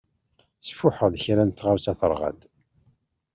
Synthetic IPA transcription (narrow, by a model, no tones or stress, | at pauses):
sə̥fʊħəðçɾænt̪ːʁaɾsæθəɾˤʁæ̰d̪